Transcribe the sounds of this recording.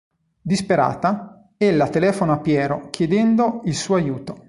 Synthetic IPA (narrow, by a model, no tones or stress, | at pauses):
d̪ispeɾa̰ːt̪a | elːat̪elɛːfonoapjɛːɾokjed̪ɛnd̪oilsuːoajuːt̪o